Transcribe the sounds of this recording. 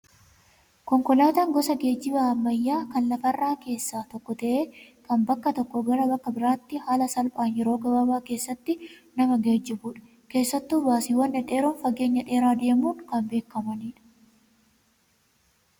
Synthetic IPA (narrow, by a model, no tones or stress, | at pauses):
kɔŋkɔlaːt̪aːŋɡɔsɐɡe̞ːd͡ʒːɪbɐɐmːɐjːaːkɐnlɐfɐrːaːke̞ːsːaːt̪ɔkːɔt̪ɐʔe̞ːkɐmbɐkːɐt̪ɔkːɔɡɐɾɐbɐkːɐbɪɾaːt̪ːɪhaːlɐsɐlpʼaːnjɛɾo̞ːɡɐbɐbaːke̞ːsːɐt̪ːɪnɐmɐɡeːd͡ʒːɪbuːᶑɐ̥ | ke̞ːsːɐt̪ːuːbaːsiːwɐnːɐᶑe̞ːɾoːnfɐɡe̞ːɲːɐᶑe̞ːɾaːd̪e̞ːmuːŋkɐmbe̞ːkːɐmɐniːᶑɐ̥